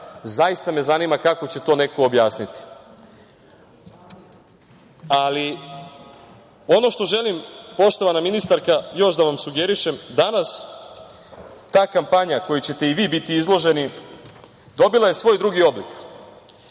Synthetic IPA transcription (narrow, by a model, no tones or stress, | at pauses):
zajist̪ame̞zanimakako̞t͡ɕe̞t̪o̞ːne̞koːbjaːsnit̪i̥ | ali | o̞no̞ʃt̪o̞ʒe̞limpo̞ʃt̪o̞ʋanaminist̪aɾkajo̞ʃd̪aʋamsuɡe̞ɾiʃe̞md̪anas | t̪aːkampaɲako̞jut͡ɕe̞t̪e̞iʋiːbit̪iizlˠo̞ʒe̞ni | d̪o̞bilaje̞sʋo̞ːjd̪ɾuɡio̞blik